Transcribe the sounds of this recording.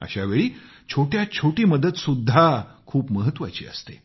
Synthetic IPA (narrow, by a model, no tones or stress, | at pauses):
ə̰ɕaʋeɭiː | t͡ɕʰoʈjat͡ɕʰoʈiːməd̪ət̪sud̪ʱːakʰuːpməɦət̪ːʋa̰t͡ɕḭːə̰st̪e